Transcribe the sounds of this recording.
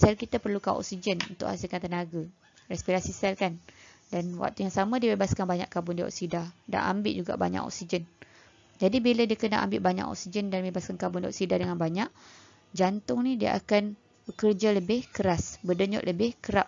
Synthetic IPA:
sɛlkit̪apərlukaʔɔ̰k̚sid͡ʒənṵnt̪ʊ̰ʔha̰silkant̪ənaɡa | rɛspiɾasisɛlkandanwa̰k̚t̪ujaŋsamãdiəbebaskanbaɲa̰ʔkabʊndiɔ̰ʔksidada̰ʔa̰mbɪʔ̪̚d͡ʒuɡa̰ʔba̰ɲa̰ʔɔ̰ksid͡ʒən | d͡ʒadibiladiəkəna̰ʔa̰mbɪʔ̚baɲa̰ʔɔ̰ksid͡ʒəndanbebaskankabʊndiɔ̰ʔksidahdəŋanbaɲaʔ | d͡ʒant̪ʊŋnidiə̰ʔa̰kan | əkərd͡ʒaləbɪhkəɾasbədəɲʊ̰ʔ̪ləbɪhkəɾap̚

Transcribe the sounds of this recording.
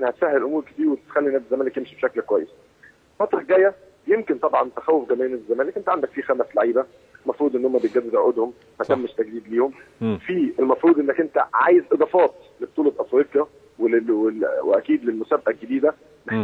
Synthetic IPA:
ʔenːæhæt̪sahːelelʔomuːɾke̥t̪iːɾwet̪e̥t̪xælːinæːd̪ezːæmæːlekjemʃibʃæklkwæjːes | fɑt̪ˤɾˤɑɡæːjːæ | jemkent̪ˤɑbʕɑnt̪æxæwːofɡæmæːjnæːd̪ezːæmæːlekʔent̪æʕand̪ækfiːxæmæslaʕiːbæ | mɑfɾˤuːd̪ʔenːohomːæbet̪̚ɡæd̪ːed̪ʕoʔod̪hom | mæt̪æːmːeʃt̪æɡd̪iːd̪liːhomfiːelmɑfɾˤuːd̪ʔenːækʔent̪æʕa̰ːjezʔed̪ˤɑːfɑːt̪ | leb̚t̪ːˤuːlɑbʔɑfɾiːqjæ | weweweʔæ̰kiːd̪lelmosæːbʔælɡed̪iːd̪æ | me

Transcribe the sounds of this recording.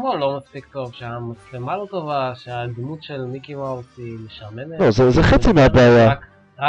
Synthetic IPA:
molːo̞maspikt̪o̞vʃeamat͡slemalo̞t̪ovaʃead̪mut̪ʃelmikiwawsimeʃaʁmeneozezeχet͡simeabeaja | a

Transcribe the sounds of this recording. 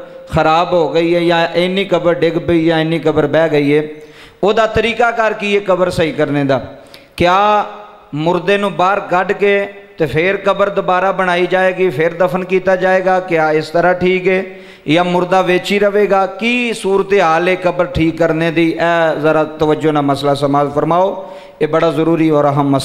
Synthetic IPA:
xəɾaːbɦoːɡəiːɦɛːjãːʔɪnːiːkəbəɾɖɪkbiːjãːɪniːkəbəɾbɛːɡəiːɦɛː | oːd̪aːt̪əɾiːkaːkəɾkiːeːkəbəɾsəiːkəɾneːd̪aːkɪjaː | mʊɾd̪eːnũːbaːɾkəɖkeːt̪eːpʰɪɾkəbəɾd̪ʊbaːɾaːbəɽ̃aːiːd͡ʒaːeːɡiːpʰɪɾd̪əpʰənkiːt̪aːd͡ʒaːeːɡaːkɪjaːɪst̪əɾaːʈʰiːkeː | jãːmʊɾd̪aːʋɪt͡ʃiːɾəʋeːɡaːkiːsuːɾət̪eːɦaːleːkəbəɾʈʰiːkːəɾneːd̪iːʔɛːzəɾaːt̪əʋəd͡ʒoːnaːməslaːsəmaːlpʰəɾmaːoː | eːbəɽaːzəɾuːɾiːɔːɾəɦəmːəs

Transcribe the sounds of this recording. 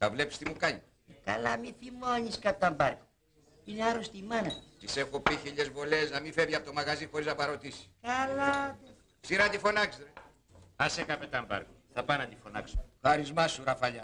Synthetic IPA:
t̪ɐvle̞pi̥st̪imukɐɲi | kɐ̰lamiθimoɲiskɐpt̪ɐmbɐɾko̥ | ineaɾost̪imɐnɐt̪isexopiçiʎe̞zvo̞le̞znɐmifeviɐpot̪o̞mɐɣɐzixo̞ɾiznɐpɐɾo̞t̪isi̥skɐlat̪e | ksiɾɐt̪ifo̞nɐksɾe | ɐsekɐpet̪ɐmbɐ̰ɾkoθɐpɐnɐt̪ifonɐ̰ksxɐɾizmɐsuɾɐfɐʎɐ

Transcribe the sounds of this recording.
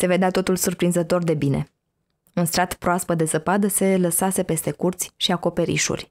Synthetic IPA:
se̞ve̞d̪eat̪o̞t̪ulsurpɾinzət̪o̞rd̪e̞bine̞ | unst̪ɾat̪pɾoaspəd̪e̞zəpad̪əse̞ləsase̞pe̞st̪e̞kurt̪sʲʃiako̞pe̞ɾḭʃṵrʲ

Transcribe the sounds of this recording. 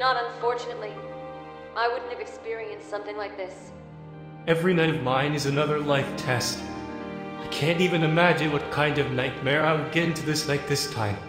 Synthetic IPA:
nəɾə̃ɱfɔɹt͡ʃɨnɨtˡli | ʔaɪwʊdⁿn̩t̚ɨvɨkspɪɹiɨ̃nstsʌ̃mθɪ̃ŋlaɪk̚ðɪs | ɛvɹinaɪɾʌvmãɪ̃nɨzɨnʌðə˞laɪftʰɛst | aɪkʰæ̃ntivɨ̃nɨmæd͡ʒɨ̃nwʌt̚kʰãɪ̃ndʌvnaɪt̚mɛɹaɪwɨd̚ɡɛɾɪ̃ntʰʉðɪslaɪk̚ðɪstʰãɪ̃m

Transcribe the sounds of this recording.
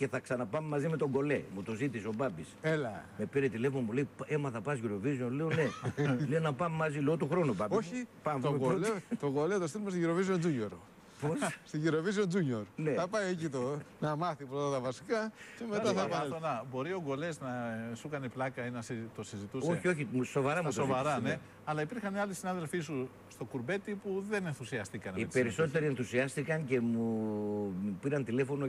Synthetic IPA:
ce̞θɐksɐnɐpɐmemɐzime̞t̪o̞ɡo̞le̞̰mut̪o̞zit̪iseo̞bɐbiselɐme̞piɾet̪ile̞vmomule̞ipe̞mɐθɐpɐsʝiɾo̞vizionleone̞lenɐpɐmemɐzileot̪uxɾo̞nubɐbosipɐmoɡolet̪oɡolet̪ost̪ilumest̪ʝiɾovizionzuɲo̞ɾ | posst̪iʝiɾoviziond͡ʒuɲoɾne̞θɐpɐiecit̪onɐmɐθipɾot̪ɐt̪ɐvɐsikɐce̞met̪ɐθɐpɐonɐbo̞ɾio̞ɡo̞le̞znɐsukɐneplɐkɐinɐsit̪osizit̪usoeçioçiusovɐɾɐmuso̞vɐɾɐne | ɐlɐipiɾxɐneɐlisinɐðe̞lfisu | st̪o̞kuɾbe̞t̪ipuðe̞nenθusiɐst̪ikɐnipeɾiso̞t̪eɾie̞nθusiɐst̪ikɐnce̞mu | piɾɐnt̪ile̞fo̞no

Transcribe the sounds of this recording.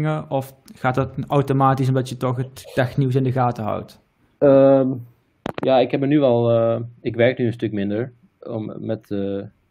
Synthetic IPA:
ŋəɔf | χaːtɑtawtomaːtis̬ɔmdɑtjətɔχətːɛxniws̬ɪndəɣaːtəɦa̰wt | əm | jaːɪkhɛbənyʋɛlˠəɪkʋɛɹknyənstɵkmɪndəɹ | ɔmːɛtə

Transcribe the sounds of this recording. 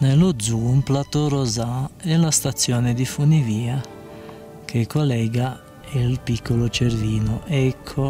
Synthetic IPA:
nelʊd̪zumplat̪oɾozaɛlast̪at̪sjɔːned̪ifuniviːa | kʰekːolɛːɡa | ilpikːolot͡ʃeɾviːnʊʔɛkʰːo

